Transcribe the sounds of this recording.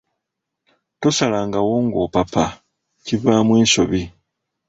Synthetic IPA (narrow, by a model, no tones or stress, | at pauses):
to̞salaːŋɡawoːŋɡo̞ːpapa | civaːmwiːso̞βi